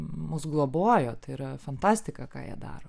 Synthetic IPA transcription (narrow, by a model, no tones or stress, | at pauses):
mʊsɡlˠoːboɔjoːt̪ɪiɾɐfɐnt̪ɑːsʲt̪ʲɪkɑkɑ̰ːjḭɛd̪ɑ̰ːɾoː